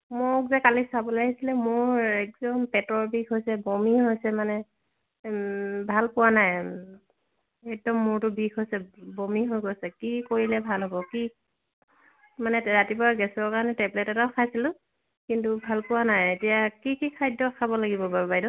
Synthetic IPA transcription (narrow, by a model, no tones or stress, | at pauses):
mʊkzɛkalisabɔlaɡisilɛmʊɹɛk̚zɔmpɛtɔɹbʱikɦojsɛbomiɦojsɛmanɛ | bʱalpʊwanaj | ɛk̚dɔmːʊɹtʊbʱikɦojsɛbomiɦojkojsɛkikoɹilɛbʱalɦɔbɔki | manɛɹatipɔaɡɛsɔɔkaɹɔnɛtɛblɛtɔtaʊkʰajsilʊ̃ | kintubʱalpʊwanajetijakikikʰajdːɔkʰabɔlaɡibɔbabajdɔ